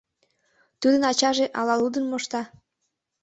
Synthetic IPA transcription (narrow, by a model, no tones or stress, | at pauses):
t̪ud̪ənɑt͡ɕɑʒeʔɑlɑlud̪ənmoʃt̪ɑ